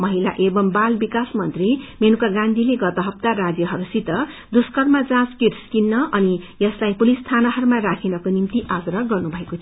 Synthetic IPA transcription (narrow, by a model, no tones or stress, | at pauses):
mʌɦila̰ʔebʌmbalbikasmʌnt̪rimenukaɡãnd̪ʱileɡʌt̪ʌɦʌpt̪aɾad͡zjʌɦʌɾusit̪ʌd̪uskʌrmad͡zãskiɾskinːʌʌnijʌslajpulist̪ʰanʌɦʌɾumaɾakʰenʌkonimt̪iʔaɡrʌɡʌrnubʱʌekot̪ʰ